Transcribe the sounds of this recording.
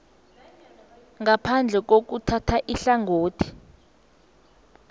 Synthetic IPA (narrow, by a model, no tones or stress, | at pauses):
ŋɡapʰand͡ɮʱɛk̬ok̬utʰatʰaʔiɬaŋoːtʰi̥